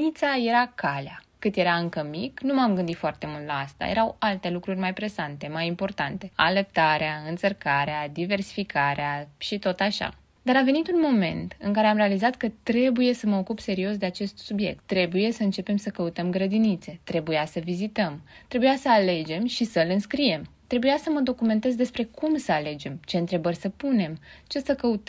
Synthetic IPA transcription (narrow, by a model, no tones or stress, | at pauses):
it̪saje̞ɾakalea | kɨt̪je̞ɾaɨŋkəmiknumamɡɨnd̪it̪foart̪e̞mult̪laast̪a̰jeɾawalt̪e̞lukɾurʲmajpɾe̞sant̪e̞majimpo̞rt̪ant̪e̞a̰ləp̚t̪aɾeaɨnt̪sərkaɾead̪ive̞rsi̥fikʰaɾeaʃit̪o̞t̪aʃa̰ | d̪aɾave̞nit̪unmo̞me̞̰nt̪ɨŋkaɾe̞amɾe̞alizat̪kət̪ɾe̞buje̞səməo̞kupse̞ɾio̞s̬d̪e̞at͡ʃe̞st̪subje̞̰k̚t̪ːɾe̞buje̞səɨnt͡ʃe̞pe̞msəkəut̪əmɡɾəd̪init̪se̞t̪ɾe̞bujasəvizit̪əmt̪ɾe̞bujasəale̞d͡ʒe̞mʃisəɨlɨnskɾije̞mt̪ɾe̞bujasəməd̪o̞kume̞nt̪e̞zd̪e̞spɾe̞kumsəale̞d͡ʒe̞mt͡ʃe̞ɨnt̪ɾe̞bərʲsəpune̞mt͡ʃe̞səkəut̪